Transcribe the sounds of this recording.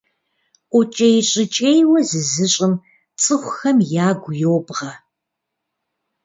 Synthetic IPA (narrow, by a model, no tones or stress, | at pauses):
ʔʷʊt͡ʃʼejɕʼɪt͡ʃʼejwɐzɨzɨɕʼɪm | t͡sʼɨχʷʊxɐmjaːɡʷʊjoːbʁɐ